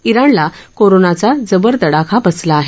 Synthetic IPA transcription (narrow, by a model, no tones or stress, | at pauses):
iɾaɳlakoɾonat͡sad͡zəbəɾt̪əɽakʰabəslaːɦe